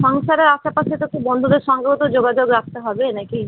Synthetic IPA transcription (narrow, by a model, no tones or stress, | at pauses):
ʃɔŋʃaɾeɾaʃapaʃet̪okibɔnd̪ʱod̪eɾʃɔŋkɾot̪od͡ʑoɡad͡ʑoɡɾak̚ʰt̪eɦɔbenaki